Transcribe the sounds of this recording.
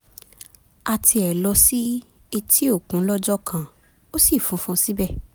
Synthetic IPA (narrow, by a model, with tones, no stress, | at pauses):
a˨tʰi˧ɛ˨lɔ˧si˦ | i˧ti˦o˦˨kũ˨˦lɔ˦d͡ʒɔ˦kʰã˦˨ | o˦si˦˨fũ˨˧˦fũ˧si˦bɛ˦˨